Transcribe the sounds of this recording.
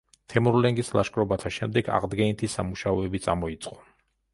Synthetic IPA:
t̪ʰɛmɔɾlɛŋɡislˠaʃkʼɾɔbat̪ʰaʃɛmd̪ɛɡa̰ʁd̪ɡɛnit̪ʰisa̰muʃaɔɛbit̪sʼa̰mɔit̪sʼqʼɔ̥

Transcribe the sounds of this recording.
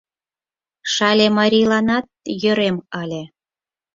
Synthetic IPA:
ʃɑlʲemɑɾʲilɑnɑt̪̚jø̆ɾemɑlʲe

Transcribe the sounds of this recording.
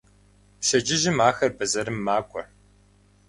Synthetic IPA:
pʃɐd͡ʒɪʒɪmaːxɐrbɐzɐɾɨmːaːkʷʼɔ

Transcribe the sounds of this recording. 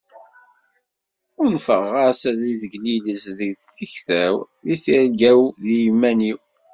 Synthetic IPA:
ʊɾnfəʁaɾsæðiðəɡniləsðəɡðθiçθæw | ðiθiɾɡæwðijmːæniw

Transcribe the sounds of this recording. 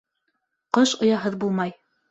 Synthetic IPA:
qɤʃŏjɑɦɤðbulˠmɑj

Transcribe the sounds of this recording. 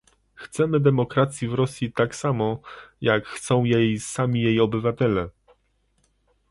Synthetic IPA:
xt̪sɛmɘd̪ɛmɔkɾat̪sʲjivɾɔsʲjit̪aksamɔjakxt̪sɔ̃w̃jejsamʲijejɔbɘvat̪ɛlɛ

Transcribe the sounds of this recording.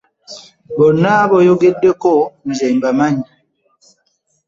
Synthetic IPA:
bɔnabɔjoɡedːekɔn̩zɛmbamaɲi

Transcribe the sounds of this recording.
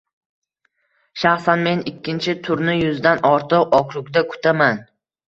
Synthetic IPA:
ʃaχsanme̞nɪkʲʰːɪnt͡ʃʰɪt̪ʰʊɾnɪjʊzd̪anɒɾt̪ʰɨqɒkʰɾʊkʲd̪akʰʊ̥t̪ʰaman

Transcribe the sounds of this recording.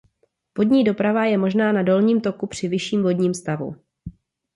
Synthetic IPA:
v̥o̞dɲiːdo̞pɾavajɛmo̞ʒnaːnado̞lɲiːmt̪o̞kupr̝̥ɪvɪʃiːmvo̞dɲiːmst̪avṵ

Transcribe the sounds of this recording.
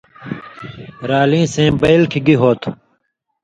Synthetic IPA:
ɾaːlĩːsẽːbɐjlkʰiɡiɦoːt̪ʰ

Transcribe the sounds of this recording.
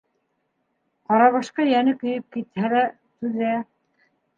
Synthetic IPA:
qɑɾɑβɑʃqɑjænɘkɵ̆jɘp̚kit̪hælæ | t̪ʉðæ

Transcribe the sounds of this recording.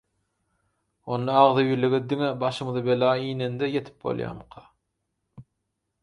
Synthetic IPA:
o̞nd̪ɑɑʁðɯjiɾleɡed̪iŋebɑʃɯmɯðɯbelɑːiːnend̪ejet̪ʰi̥p̚bo̰lˠjɑ̰ːmqʰɑ

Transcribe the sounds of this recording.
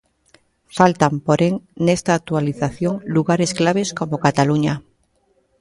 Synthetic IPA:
falt̪ampoɾeŋnest̪aːk̚t̪ualiθaθjoŋluɣaɾesklaβ̞esko̞mokat̪aluɲa

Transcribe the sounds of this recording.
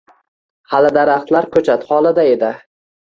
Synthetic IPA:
halɪd̪aɾaχt̪laɾkʰɵt͡ʃʰat̪hɒlˠad̪aed̪ɪ

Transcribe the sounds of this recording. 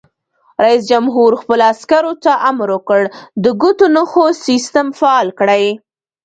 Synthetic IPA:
ɾais̬d͡ʒamɦuɾxpəloaskaɾot̪aʔamɾwokəɽd̪əɡut̪onəxosist̪amfaɑlkɽaj

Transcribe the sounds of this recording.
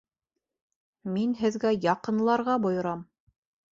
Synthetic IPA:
minɦɘ̆ðɡæjɑqɤ̆nlˠɑɾʁɑbŏjɤ̆ɾɑm

